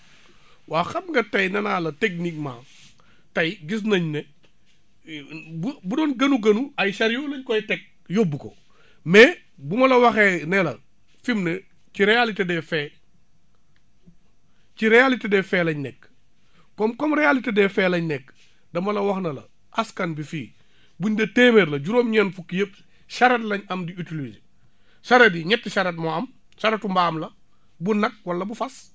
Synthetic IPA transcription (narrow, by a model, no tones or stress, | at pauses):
waːxɐmŋɡɐtɐjnɐnaːlɐtek̚nik̚ma̰ː | tɐjɡis̬nɐɲne | bubudɔːnɡɐnuɡɐnuɐjʃɐɾjuːlɐɲkɔjtɛk̚ | jobːuko̰ | mɛ | bumɐlɐwɐxɛːnɛlɐ | fimne | ciɾejalitedɛfɛː | ciɾɛjalitedɛfɛlɐɲnɛk | kɔmkɔmɾejalitedɛfɛːlɐɲnɛk | dɐmɐlɐwɐxnɐlɐ̰ | ʔaskɐnbifiː | buɲdɐteːmeːɾlɐɟuɾoːmɲɛnfukːijep | ʃɐɾetlɐɲɐmdiutilisi | sɐɾediɲɛtːiʃɐɾet̚moɐm | saɾetumbamlɐ | bunɐk̚wɐlːɐbufɐs